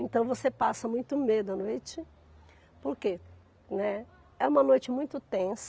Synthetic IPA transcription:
ẽnt̪ɐ̃w̃vosepasɐmũj̃t̪ʊmed̪ʊɐnojt͡ʃɪ | poɾke | nɛ | ɛũmɐnojt͡ʃɪmũj̃t̪ʊt̪ẽs

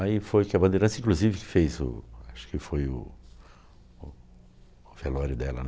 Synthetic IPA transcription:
aifojkɪɐbɐ̃d̪eɾɐ̃sɐĩkluzivɪkɪ̥fejzʊ̰aʃʊ̥kɪfojʊ̰ | ʊː | velɔɾʊd̪ɛlɐ̰n

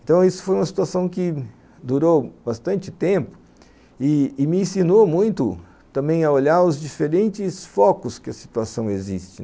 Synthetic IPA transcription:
ẽnt̪ɐ̃w̃isʊ̥fojumɐsi̥t̪uasɐ̃w̃kɪ | d̪uɾowbast̪ɐ̃nt͡ʃɪt̪ẽpʊ̥ | ɪːmɪẽsinomũj̃t̪ʊ | t̪ɐ̃mbẽj̃ɐoʎaɾʊzd͡ʒifeɾẽnt͡ʃɪsfɔkʊskɪɐsi̥t̪uasɐ̃w̃ezist͡ʃɪ

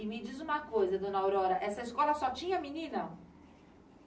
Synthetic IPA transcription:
ɪmɪd͡ʒizũmɐkojzɐd̪õnɐawɾɔɾɐʔɛsɐiskɔlɐsɔt͡ʃĩɲɐminĩnɐ

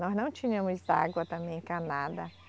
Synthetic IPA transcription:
nɔznɐ̃w̃t͡ʃĩɲɐ̃mʊza̰ɡwɐt̪ɐ̃mẽj̃kanad̪ɐ

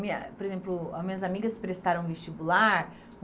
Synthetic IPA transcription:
mĩɐpoɾezẽplʊɐmĩɲɐzamiɡɐspɾest̪aɾɐ̃ũvest͡ʃibulaɾ

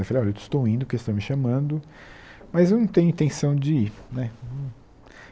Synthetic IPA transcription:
efɐlejɔletɪ̥st̪owĩnd̪ʊpɾkewst̪ow̃mɪʃamɐ̃d̪ʊ | mɐzewnɐ̃w̃t̪ẽɲʊ̃ĩt̪ẽsɐ̃w̃d͡ʒɪnɛ̃

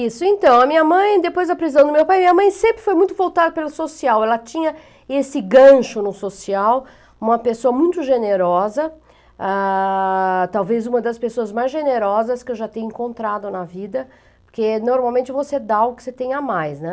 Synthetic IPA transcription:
isʊẽnt̪ɐ̃w̃ɐmĩɲɐmɐ̃j̃d̪epojzd̪ɐpɾiizɐ̃w̃d̪ʊmewpajɐmĩɲɐmɐ̃j̃sẽmpɾɪfojmũj̃t̪ʊvowt̪ad̪ɐpelʊsosiawɛlɐt͡ʃĩɲɐ | esɪɡɐ̃ʃʊnʊsosiaw | ũmɐpesoɐmũj̃t̪ʊʒeneɾɔzɐ | a | t̪awvezũmɐd̪ɐspesoɐzmajzʒeneɾɔzɐskɪewʒat̪ẽɲʊẽŋkõnt̪ɾad̪ʊnɐvid̪ɐ | poɾkenoɾmawmẽnt͡ʃɪvosed̪aaɡʊkɪ̥set̪ẽjamajsnɛ

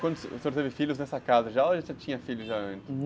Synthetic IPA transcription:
kwɐ̃nd̪ʊsseoɾt̪evɪfiʎʊznɛsɐkazɐʒaoɐʒẽt͡ʃ̪ʒat͡ʃĩɲɐfiʎʊʒaɐ̃nt͡ʃɪ

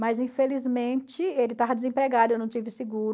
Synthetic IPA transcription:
mɐzĩfelizmẽt͡ʃɪelɪt̪avɐd̪ɪzẽpɾeɡaɾewnɐ̃w̃t͡ʃivɪsɪɡuɾ

